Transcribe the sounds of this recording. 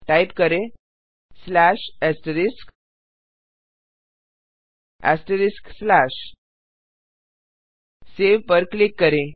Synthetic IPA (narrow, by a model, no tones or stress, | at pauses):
ʈaipkəɾe | slæɕɛsʈɾisk | ɛ̰sʈəɾiskslaɕ | seʋpəɾklikːəɾe